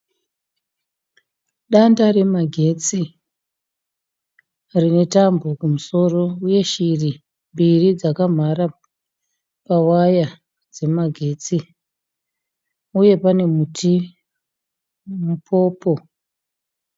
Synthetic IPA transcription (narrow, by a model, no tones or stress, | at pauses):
ɗandare̞maɡʱe̞t͡si | rine̞tambo̞kumuso̞ro̞uje̞ʃiri | mbirid͡zakam̤aɾa | pawaja | d͡ze̞maɡʱe̞ːt͡si | uje̞pane̞mutʰi | mupʰo̞ːpo̞